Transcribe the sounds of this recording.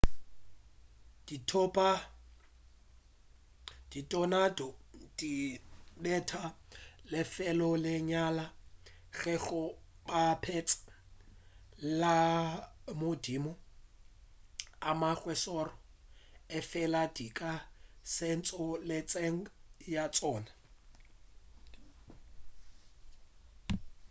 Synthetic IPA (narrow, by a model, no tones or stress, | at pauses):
d̥itʰɔpʼa | d̥itʼɔnadɔd̥iɓɛtʰalɪfɛlɔlɪɲala | ɣɛɣɔ | bapʰɛt͡sʼḁ | la | modimɔ | amaɣwɛsɔrɔ | ɪfɛladikʼasɛnt͡sʼɔlɪt͡sʼeŋ̩jat͡sʼɔːna